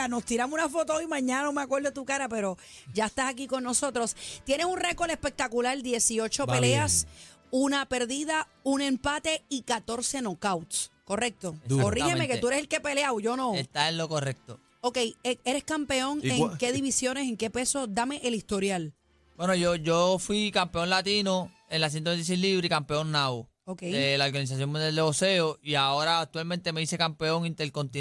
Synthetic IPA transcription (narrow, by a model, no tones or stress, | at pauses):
ano̞st̪iɾamosunafo̞t̪oojmãɲːãnano̞meakwe̞ɾðot̪ukaɾape̞ɾo̞ | d͡ʒaest̪asak̬iko̞nːo̞so̞t̪ɾo̞st̪jenesunre̞ko̞ɾe̞spe̞k̚t̪akulald̪je̞sio̞t͡ʃo̞pele̞as | unape̞ɾðiða | uŋe̞mpat̪e̞ikat̪o̞ɾse̞no̞kawt̪sko̞re̞k̚t̪o̞korihemekeueɾeselke̞pe̞leawʝo̞nõ̞et̪aellokorek̚t̪o | okejee̞ɾeskampe̞o̞ŋeke̞ðiβisjo̞neseŋke̞pe̞so̞d̪ame̞ʔelist̪o̞ɾjal | bwenoʝoʝofwikampeo̞nlat̪ino | enlas̬jent̪oent̪isejliβɾikampeo̞nnːao | okejelaoɾɣanis̬as̬joŋmond̪jald̪eoseoiao̞ɾaːk̚t̪walmẽnt̪e̞me̞ise̞kampe̞o̞ŋĩnt̪elkõnt̪i